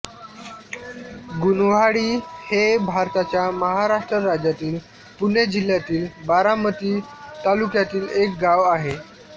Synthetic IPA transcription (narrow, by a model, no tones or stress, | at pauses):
ɡunʋaɽiːhebʱaɾt̪at͡ɕjaməɦaɾaʂʈɾəɾad͡ʑjat̪iːl | punjed͡ʑilːjat̪iːlbaɾamət̪iːt̪alukjat̪iːlek̚ɡaʋaɦe